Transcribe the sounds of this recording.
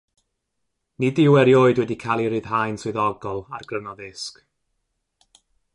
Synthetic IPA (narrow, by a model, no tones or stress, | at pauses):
nidɪwɛɾjoːɨdwɛdikʰalˠiɾɨð̥ɦajnsʊðɔɡɔlˠa̰rɡrənɔðɪsk